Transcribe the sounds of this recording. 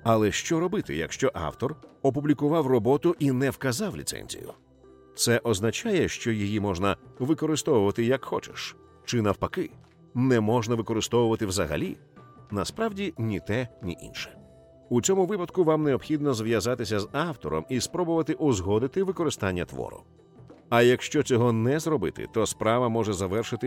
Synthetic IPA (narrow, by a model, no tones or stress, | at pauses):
ɐlˠɛʃt͡ʃɔɾɔbɪt̪ɪ̰jɐ̰kʃt͡ʃɔʔa̰wt̪ɔrɔpʊblʲikʊʋɑwrɔbɔt̪ʊʔinɛwkɐzɑwlʲḭt̪sɛ̰nʲzʲḭjʊ̰ | t̪sɛʔɔznɐt͡ʃajɛʃt͡ʃɔjijimɔʐnɐʋɪkɔɾɪst̪ɔʋʊʋɐt̪ɪjɐkxɔ̰t͡ʃɛʃ | t͡ʃɪnɐwpɐkɪ | nɛmɔʒnɐʋɪkɔɾɪst̪ɔʋʊʋɐt̪ɪwzɐɦɐ̰lʲḭ | nɐspɾɑwdʲinʲit̪ɛnʲiʔḭnʃɛ̥ | ut͡sʲɔmʊʋɪpɐd̪kʊʋamneɔpxʲid̪̚nɔzʋjɐzat̪ɪsʲɐzɑwt̪ɔɾɔ̰mispɾɔbʊʋɐt̪ɪʔuzɦɔd̪ɪt̪ɪʋɪkɔɾɪst̪anʲːɐt̪ʋɔ̰ɾʊ̰ | ɐjɐkʃt͡ʃɔt͡sʲɔɦɔnɛzɾɔbɪ̰t̪ɪ̰t̪ɔspɾɑʋɐmɔʐɛzɐʋɛrʃɪt̪ɪ